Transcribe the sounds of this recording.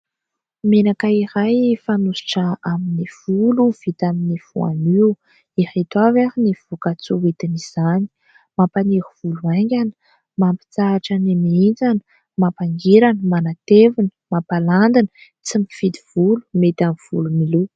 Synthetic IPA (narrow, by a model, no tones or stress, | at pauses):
menakaiɾajfanusi̥ʈ͡ʂəaminiv̥uluv̥it̪aminiv̥ṵa̰niw | iɾet̪avaɾiniv̥ukat͡suwet̪iniz̥ani̥ | mapaniɾuv̥uluaŋɡʲanə̥ | mampi̥t͡saːʈ͡ʂənemind͡zanə̥ | mapaŋɡiɾanəmanat̪evinə̥mapaland̪inə | t͡simifid̪i̥v̥ulu̥met̪amiv̥ṵlumilu